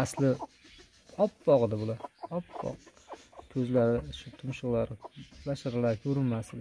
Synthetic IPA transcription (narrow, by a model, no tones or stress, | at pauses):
aslɪ | ɒpbɒʁɨd̪ɪbʊlaɾɒpb̥ɒ̰qkʲʰɵzlaɾɪʃʊt̪ʰʊmʃʊʁlˠaɾɪbaʃaɾalaɾkʲʰɵɾɪnmaslɪ